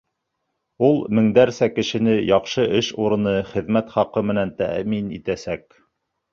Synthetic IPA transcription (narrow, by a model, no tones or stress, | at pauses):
ulˠmɘ̆ŋd̪æɾsækɘ̆ʃɘ̆nɘjɑqʃɤʔɘʃuɾɤ̆nɤχɘ̆ðmæt̪χɑqɤmɘ̆nænt̪æ̰minḭt̪æsæk̚